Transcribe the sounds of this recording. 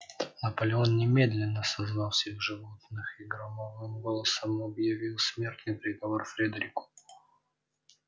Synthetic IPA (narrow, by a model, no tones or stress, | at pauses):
nəpəlʲɪo̞nnʲɪmʲed̪lʲɪnːəsɐzvɑlˠfsʲvʲeɣʐɨvo̞t̪nɨxiɡɾɐmavnɨmɡolˠəsəmɐbjɐvʲilˠsmʲe̞rt̪nɨjpɾʲɪɡɐvo̞rfɾʲed̪ɾʲɪkʊ̥